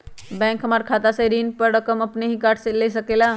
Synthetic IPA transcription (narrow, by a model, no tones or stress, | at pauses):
bɛ̃ŋkɦəmaɾkʰat̪asẽɾinpəɾɾəkəməpneɦikaʈʰselesəkela